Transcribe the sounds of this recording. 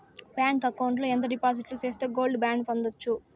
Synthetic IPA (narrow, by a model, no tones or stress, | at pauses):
bjaːŋkɐkːɐwɳʈloːɛnt̪̬ɐɖipaːs̬iʈlut͡ʃe̞ːst̪eːɡo̞ːlɖbjaːɳɖpond̪ot͡ʃːu